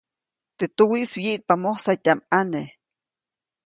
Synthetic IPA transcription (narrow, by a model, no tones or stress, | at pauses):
t̪et̪uwiʔsjiʔk̚pamohsat̪amane